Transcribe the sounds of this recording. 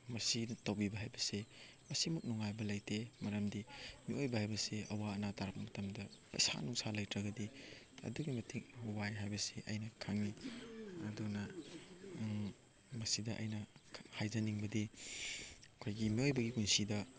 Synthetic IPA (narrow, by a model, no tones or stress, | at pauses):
mɐsinɐtɐwbibɐɦajbɐse | mɐsimuk̚nuŋajbɐlɐjtemɐɾɐmdimiojbɐhajbɐseɐwaɐnataɾɐk̚mɐtɐmdɐpɐ̰jsa̰nuŋsalɐjtɾɐɡɐdi | ɐ̰duɡimɐtʰiŋwajɦajbɐseʔɐjnɐkʰaŋiɐdunɐ | mɐsidɐʔɐ̰jnɐhajzɐniŋbɐdi | ɐkʰojɡimiojbɐɡikunsidɐ